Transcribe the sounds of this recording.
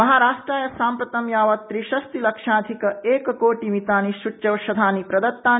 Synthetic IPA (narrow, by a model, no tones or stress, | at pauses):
mɐɦaːɾaːʂʈɾaːjɐsaːmpɾɐt̪ɐmjaːʋɐt̪ːɾiʃɐst̪ilɐkʂaːd̪ʱikɐeːkɐkoːʈimit̪aːniʃut͡ʃːjɐʋɐʃɐd̪ʱaːnipɾɐd̪ɐt̪ːaː